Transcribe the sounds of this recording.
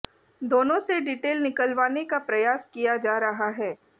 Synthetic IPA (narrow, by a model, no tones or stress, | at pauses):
d̪oːnõseɖiːʈeːlnɪkəlʋaːnekapɾɐjaːskijad͡ʒaːɾɐɦaɦɛː